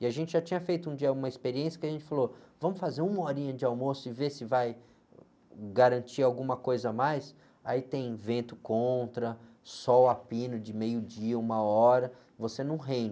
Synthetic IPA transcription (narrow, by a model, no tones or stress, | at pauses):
ɪaʒẽnt͡ʃɪʒat͡ʃĩɲɐfejt̪ʊũd͡ʒiɐũmɐispeɾiẽsjɐkɪaʒẽnt͡ʃɪfalovɐ̃mʊsfazeɾũmɐɔɾĩɲɐd͡ʒɪawmosʊɪvesɪvaj | ɡaɾɐ̃nt͡ʃiɾawɡũmɐkojzɐmajs | ait̪ẽj̃vẽnt̪ʊkõt̪ɾɐ | sɔwapĩnʊd͡ʒɪmejʊd͡ʒiɐũmɐɔɾɐ | vosenɐ̃w̃ɦẽd͡ʒɪ